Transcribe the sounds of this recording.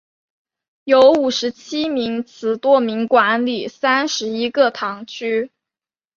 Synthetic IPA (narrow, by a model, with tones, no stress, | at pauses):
jo˧˥ʊu˨˩ʂɻ̩˧˥t͡ɕʰi˥mi˧˥ŋt͡sʰɹ̩˨˥t̪wɔ˥mi˧˥ŋkwa˧˥nli˨˩sa˥nʂɻ̩˧˥i˥kɤ˥˧t̪ʰɑ˧˥ŋt͡ɕʰy˥